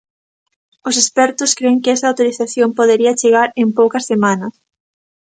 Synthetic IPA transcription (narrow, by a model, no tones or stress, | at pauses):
ʊsespɛɾt̪ʊskɾeŋkɪɛsɐaːwt̪oɾiθaθjompoðeɾiɐt͡ʃeɣ̞aɾempowkɐsːemanɐs